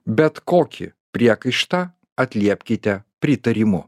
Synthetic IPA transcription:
bʲɛt̪koːkʲɪ̰pʲɾʲiɛkɐɪʃt̪ɐ | ɐt̪ʲlʲiɛpʲkʲɪt̪ʲɛpʲɾʲɪt̪ɐɾʲɪmʊ

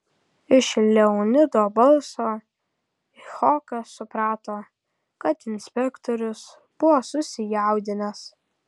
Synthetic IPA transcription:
ɪʃɪlʲːɛʊnʲɪd̪oːbɐlˠsoː | ɪxɔːkɐsʊpɾɑːt̪oː | kɐt̪ɪnʲsʲpʲɛkt̪oɾʲʊs | b̥ʊʋoːsʊsʲɪjæʊd̪ʲɪnɐs

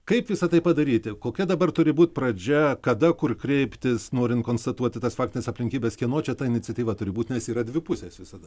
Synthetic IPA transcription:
kɐɪpʋʲɪsɐt̪ɐɪpɐd̪ɐɾʲiːt̪ʲɪkoːkʲɛd̪ɐbɐrt̪ʊɾʲɪbuːt̪̚ʲpɾɐd͡ʒʲɛkɐd̪ɐkʊrkɾʲɛɪpʲt̪ʲɪsnoːɾʲɪntkoːnst̪ɐt̪uɔt̪ʲɪt̪ɐsfɑːk̚t̪ʲɪnʲesɐpʲlʲɪŋʲkʲiːbʲeːskʲiɛnoːt͡ʃʲɛt̪ɐɪnʲɪt͡sʲɐt̪ʲiːʋɐt̪ʊɾʲɪbuːt̪ʲnʲɛsiːɾɐd̪ʲʋʲɪpʊsʲeːsʋʲɪsɐd̪ɐ

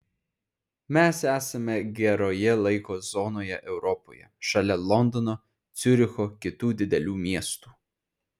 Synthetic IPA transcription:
mʲæsæːsɐmʲɛɡʲɛɾoːjɛlˠɐɪkoːzɔnoːjɛʔɛʊɾɔpo̰ːjɛ̰ʃɐlʲɛlˠɔnd̪ɔno | t̪sʲʊɾʲɪxokʲɪt̪uːd̪ʲɪd̪ʲɛlʲuːmʲiɛst̪uː

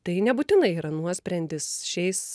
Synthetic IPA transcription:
t̪ɐɪnʲɛbuːt̪ʲɪnɐɪiːɾɐnuɔsʲpʲɾʲɛnʲd̪ʲɪsʃʲɛɪs

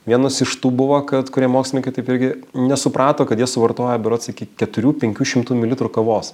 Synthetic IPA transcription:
ʋʲiɛnosɪʃt̪uːbʊʋoːkɐt̪kʊɾʲiɛmoːksʲlɪnʲɪŋkɐɪt̪ɐɪpɪɾʲɡʲɪnʲɛsʊpɾɑːt̪oːkɐt̪jiɛsʊʋɐrt̪oːjɛbʲɛɾoːsɪkʲikʲɛt̪ʊɾʲuːpʲɛŋʲkʲuːʃʲɪmt̪uːmʲɪlʲɪt̪ɾʊkɐʋoːs

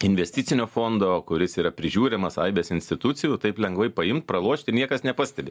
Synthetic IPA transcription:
ɪnʲʋʲɛsʲt̪ʲɪt̪sʲɪnʲoːfoːnd̪oːkʊɾʲɪsiːɾɐpʲɾʲɪʒʲuːɾʲɪmɐsɐɪbʲeːsɪnʲsʲt̪ʲɪt̪ʊt̪sʲɪjut̪ɐɪplʲɛŋɡʋɐɪpɐɪmt̪̚pɾɐlˠuɔʃʲt̪ʲɪnʲiɛkɐsnʲɛpɑsʲt̪ʲɛbʲɪ

